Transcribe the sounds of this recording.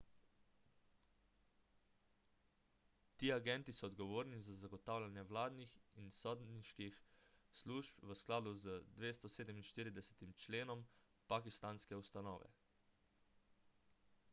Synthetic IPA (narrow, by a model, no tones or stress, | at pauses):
t̪iːaɡɛnt̪isɔːd̪ɡɔʋoːɾnizazaɡɔt̪aːwlʲanjɛʋlaːd̪nixinsɔːd̪niʃkixsluʃpʋəsklaːd̪uzəd̪ʋeːst̪ɔseːd̪ɛminʃt̪iːɾid̪ɛsɛ̥t̪imt͡ʃleːnɔm | pakist̪aːnskɛust̪anɔːʋɛ̰